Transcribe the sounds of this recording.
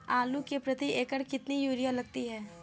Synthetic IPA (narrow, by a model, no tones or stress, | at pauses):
aːlukepɾɐt̪iʔeːkəɾkɪt̪nijuːɾijalɐɡ̚t̪iɦɛː